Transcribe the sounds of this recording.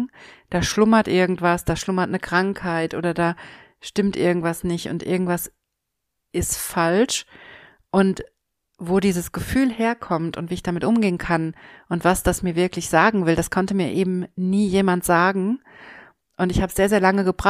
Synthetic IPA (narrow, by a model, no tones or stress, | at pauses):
d̥aːʃlʊmɐtʔɪɐɡŋ̩tv̥asd̥aːʃlʊmɐtnəkʁ̥aŋkhaɪtʔo̰ːɾɐdaː | ʃtɪmtʔɪɐɡŋ̩tv̥asnɪçtʊ̰ntʔɪ̰ɐɡŋ̩tv̥as | ʔɪstfalʃ | ʔʊnt | voːdiːzəsɡ̥əfyːlheːɐkʰɔmtʊ̰ntv̥iːɪçd̥amɪtʔʊmɡeːənkʰanʔʊntv̥asd̥asmiːɐvɪɐklɪçz̥aːɡŋ̩vɪldaskʰɔntəmiːɐʔeːbm̩niːjeːmantz̥aːɡŋ̩ | ʔʊntɪçhaːbəsz̥eːɐzeːɐlaŋəɡəbʁa